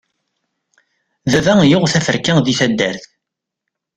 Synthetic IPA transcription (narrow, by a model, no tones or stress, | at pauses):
ðævæjʊʁθæfəɾkæðiθæd̪ːæɾθ